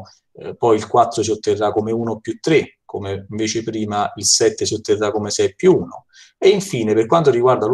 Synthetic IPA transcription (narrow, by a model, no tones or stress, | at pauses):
pɔjilkwat̪ːɾosiot̪ːerːakomeuːnopːjut̪ːɾekʰomeɱveːt͡ʃepɾiːmailsɛt̪ːesiot̪ːerːakomesɛpːjuuːno̰ | eiɱfiːneperkwant̪oriɡward̪al